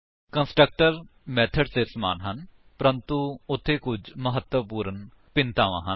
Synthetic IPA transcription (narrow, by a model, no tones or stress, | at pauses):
kə̃nsʈɾək̚ʈəɾmɛːt̪ʰəɖsesəma̰ːnɦən | pəɾə̃nt̪uʊt̪ʰːekʊd͡ʒməɦət̪wəpuːɾən | pɪ̃nt̪aːʋã̰ːɦə